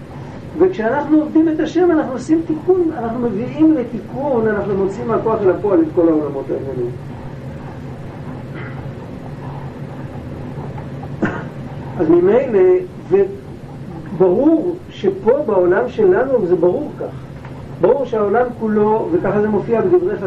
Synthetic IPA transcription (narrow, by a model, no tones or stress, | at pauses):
ve̞kʃeanaχnuovdime̞t̪aʃe̞manaχnuosimt̪ikunanaχnume̞viimlet̪ikunanaχnumo̞t͡siimako̞aχelapo̞aletko̞lao̞lamo̞t̪aemunim | ʔazmime̞jle̞ | ve | baʁuʁʃe̞po̞bao̞lamʃe̞lanuvze̞baʁuʁkaχa | baʁuʁʃeao̞lamkulo̞vekaχaze̞mo̞fiabedivʁeχa